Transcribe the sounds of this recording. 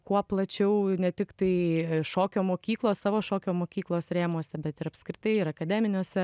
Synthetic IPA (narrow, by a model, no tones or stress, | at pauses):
kuɔplˠɐt͡ʃʲɛʊnʲɛt̪ʲɪkt̪ɐɪʃoːkʲoːmoːkʲiːklˠoːssɑːʋoːʃoːkʲoːmoːkʲiːklˠoːsɾʲeːmoɔsʲɛbʲɛt̪ɪɾɐpskɾʲɪt̪ɐɪɪɾɐkɐd̪ʲæːmʲɪnʲuːsʲɛ